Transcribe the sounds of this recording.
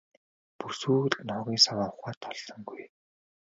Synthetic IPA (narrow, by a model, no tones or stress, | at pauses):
pusuːɮnɔɣʲiːŋsawaːʊχaːt̪ʰːɔɮsɞ̆ŋɡuj